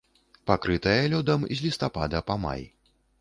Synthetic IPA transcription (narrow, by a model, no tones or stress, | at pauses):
pakɾɨt̪ɐjɐlʲɔd̪ɐmizʲlʲist̪apad̪ɐpɐma̰j